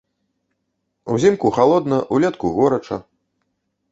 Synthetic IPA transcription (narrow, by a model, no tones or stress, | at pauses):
uzʲimkuxalˠɔd̪nɐʔulʲɛt̪kuɣɔɾɐt͡ʂɐ̰